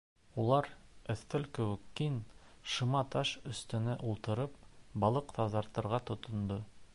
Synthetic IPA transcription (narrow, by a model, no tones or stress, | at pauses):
ulˠɑɾɵ̆θːɘlkɵ̆wɘ̆kːinʃɤ̆mɑt̪ɑʃɵ̆st̪ɘ̆nɘʔulˠt̪ɤ̆ɾɤp̚bɑlˠɤqt̪ɑzɑɾt̪ɤ̆ɾʁɑt̪ŏt̪ŏnd̪ɤ